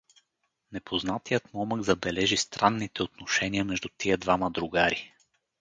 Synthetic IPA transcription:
nɛpʰoznat̪ijət̪mɔməɡzɐbɛlɛʒist̪ɾanːit̪ɛot̪noʃɛniəmɛʒd̪ut̪iəd̪vaməd̪ɾʊɡaɾi

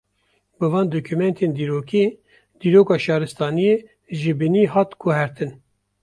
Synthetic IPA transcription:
bɨvɑːnd̪okʰumɛnt̪ʰeːnd̪iːɾoːkʰiː | d̪̥iːɾoːkɑːʃɑːɾɨst̪ɑːnijeː | ʒɪbɨniːɦɑːt̪kʰuɦɛɾt̪ʰɨn

